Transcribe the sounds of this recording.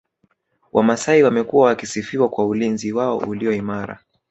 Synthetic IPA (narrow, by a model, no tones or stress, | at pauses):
wʔamasaiwamɛkuwawakisifiwakwaulinziwaɔ̰ʔuliɔimaɾa̰